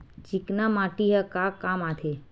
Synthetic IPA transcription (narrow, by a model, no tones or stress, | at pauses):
d͡ʒiknamaʈiɦakakamat̪ʰe